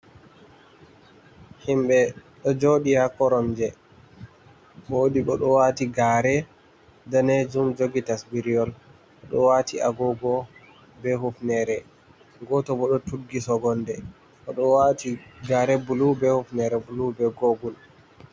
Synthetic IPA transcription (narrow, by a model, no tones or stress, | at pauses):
himbɛɗɔd͡ʒoɗihakɔɾɔnd͡ʒɛ | ɓoɗiɓɔɗɔwatiɡaːɾɛ | daned͡ʒumd͡ʒoɡitasbiɾiɔl | ɔɗɔwatʰiaɡɔɡɔ | bɛɦufnɛɾɛ | ɡɔtɔbɔɗɔtuɡisɔɡɔndɛ | ɔɗɔwatiɡaɾɛbulubɛhufnɛɾɛbulubɛɡoɡul